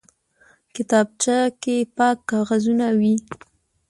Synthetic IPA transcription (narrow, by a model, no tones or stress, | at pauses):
kɪt̪ɑb̚t͡ʃakepɑkːɑɣazunawi